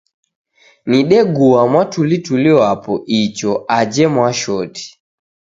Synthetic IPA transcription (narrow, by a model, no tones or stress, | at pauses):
niɗɛɡuamwatʰulituliwapɔʔit͡ʃɔad͡ʒɛmwaʃɔti̥